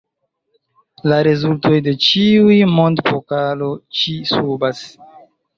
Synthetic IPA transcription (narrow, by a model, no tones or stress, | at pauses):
laɾe̞zulto̞jde̞t͡ʃiujmo̞ndfokalo̞t͡ʃisubas